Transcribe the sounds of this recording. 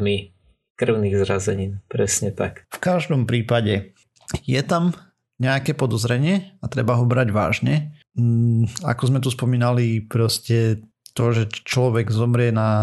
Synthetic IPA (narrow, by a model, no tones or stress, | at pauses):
mi | kr̩ʊniːɣzɾazɛɲiːnpɾɛsɲɛt̪akfkaʒd̪ɔmpɾiːpaɟɛ | jɛt̪am | ɲɛakɛpɔd̪ɔzɾɛɲɪɛat̪ɾɛbaɦɔbɾaɟʋa̰ːʒɲɛ | a̰kɔzmɛt̪̬uspɔmiːnalipɾɔscɛ | t̪ɔʒɛt͡ʃlɔʋɛɡzɔmɾɪɛna